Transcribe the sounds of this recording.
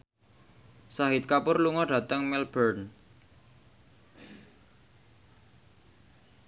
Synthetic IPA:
saɦɪt̪̚kapʊrluŋɔɖ̥ä̤t̪əŋmɛlbərn

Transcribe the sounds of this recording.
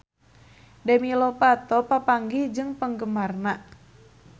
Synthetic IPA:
dɛmilɔpat̪ɔpapaŋɡid͡ʒɨŋpəŋɡəmarnaʔ

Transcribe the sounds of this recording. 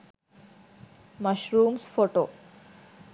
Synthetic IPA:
məɕɾuːmsfoʈo

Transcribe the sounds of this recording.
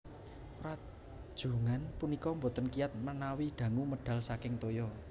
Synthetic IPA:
rḁ | ʒ̥ṳŋanpunikɔmbo̤t̪ənkijat̪̚mənawiɖ̪̥ä̤ŋuməɖ̥ä̤lsakɪŋt̪ojɔ

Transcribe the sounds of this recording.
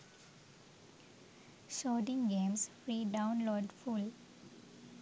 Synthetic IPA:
soːɖɪ̃ŋɡẽːmsfɾiːɖãʊ̃nloːɖful

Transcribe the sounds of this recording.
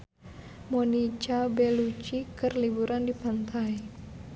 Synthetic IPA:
monit͡ʃabɛlut͡ʃikɨrlibuɾʔandipant̪ʰai

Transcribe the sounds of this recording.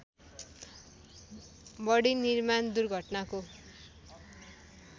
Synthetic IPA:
bʌɽinirmand̪urɡʱʌʈnako

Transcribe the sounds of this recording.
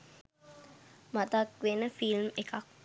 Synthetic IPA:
mat̪akʋenəfilmekak̚

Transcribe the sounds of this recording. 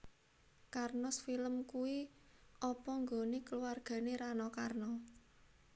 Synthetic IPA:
karnɔsfiləmkuwiʔɔpɔŋɡonekəluwarɡ̥a̤neɾanɔkarnɔ

